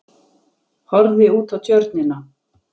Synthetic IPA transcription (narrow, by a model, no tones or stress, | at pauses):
hɔɾðɪuːt̪awt̪ʰjœɾt̪nɪna